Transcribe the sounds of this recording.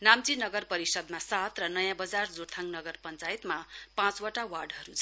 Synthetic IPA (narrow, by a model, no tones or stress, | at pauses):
namt͡sinʌɡʌrpʌɾisʌd̪masat̪rʌnʌjãbʌd͡zard͡zoɾt̪ʰaŋnʌɡʌrpʌnt͡sajet̪mapãt͡swaʈawarɖʌɾut͡sʰ